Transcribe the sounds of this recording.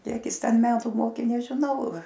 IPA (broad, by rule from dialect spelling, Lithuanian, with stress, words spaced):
ˈkʲiɛk ˈjɪs ˈtʲɛn ˈmʲæːtʊ ˈmoːkʲeː nʲɛʒʲɪˈnɐʊ